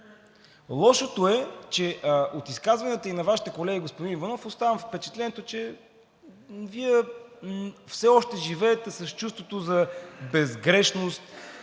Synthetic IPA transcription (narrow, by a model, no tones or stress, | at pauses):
lˠɔʃot̪oɛt͡ʃɛot̪iskazvɐnɛt̪əinɐvaʃi̥t̪ɛkolɛɡʲiɡospod̪invɐnɔfost̪avɐmfpɛt͡ʃɛ̥t̪lɛnɛt̪ot͡ʃɛ | viɛ | fsɛɔʃt̪ɛʒivɛːt̪ɛsɐst͡ʃust̪vot̪ozɐbɛzɡɾɛʃnost̪